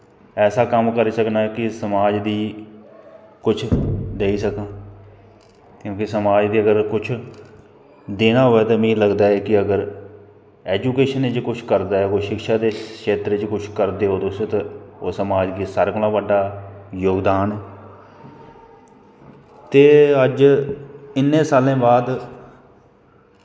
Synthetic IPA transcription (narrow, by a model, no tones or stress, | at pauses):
ɛːsaːkəmkəɾiːsəknaːɛkɪsəmaːd͡ʒd̪iː | kʊt͡ʃʰd̪eːiːsəkãː | kjõːkisəmaːd͡ʒd̪iːəɡəɾkʊt͡ʃʰ | d̪eːnaːɦʊʋɛːt̪ãmĩːləɡd̪aːɛːkɪəɡəɾ | ɛːd͡ʒuːkeːʃənet͡ʃkʊt͡ʃʰkəɾd̪aːɛːkoʃɪkʃaːd̪eːkʃeːt̪ɾet͡ʃkʊt͡ʃʰkəɾd̪eːɦoːd̪oset̪aoːsəmaːd͡ʒɡ̪isaːɾkolãːbəɖːaːjoːɡd̪aːnɛː | t̪eːəd͡ʒ | ɪnːẽːsaːlẽːbaːd̪